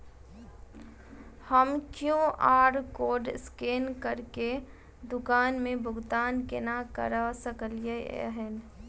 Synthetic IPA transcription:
həmkjõʔaːɾkoːɖskeːnkəɾke | d̪ʊkaːnmẽbʱʊɡt̪aːnkḛnakə̰ɾasəkəljḛəɦɛn

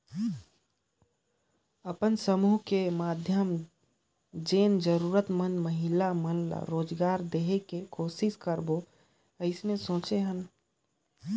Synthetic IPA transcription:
əpənsəmuːɦkemaːd̪ʱjəm | d͡ʒeːnd͡ʒəɾuːɾət̪mənməɦɪlamənla̰ɾoːd͡ʒɡaːɾd̪eːɦekekoːsɪskəɾbo | əɪsmesõːt͡ʃeɦən

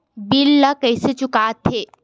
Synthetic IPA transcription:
bilːakəjset͡ʃʊkaːt̪ʰeː

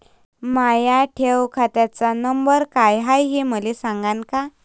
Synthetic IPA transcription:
majaʈʰewkʰat̪jat͡sanəmbəɾkajɦajɦiməlesaŋɡanka

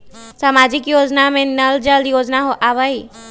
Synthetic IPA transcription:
samaːd͡ʒɪkjoːd͡ʒnamẽnɐld͡ʒəld̪joːd͡ʒnaɦoʔaʋəi

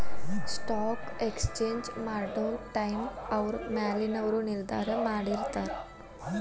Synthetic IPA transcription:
sʈɔkekst͡ɕeɲd͡ʑmaɾɖolʈajmaʋɾmalinəʋɾuːniɾd̪ʱa̰ɾəmaɽiɾt̪aɾ

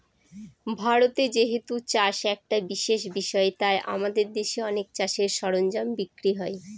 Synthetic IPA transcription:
bʱaɾot̪ed͡ʑeɦet̪ut͡ɕaʃɛk̚ʈabiʃeʃ̬biʃɔet̪aeʔa̰mad̪eɾd̪eʃeɔnek̚t͡ɕaʃeɾʃɔɾond͡ʑambikɾiɦɔe

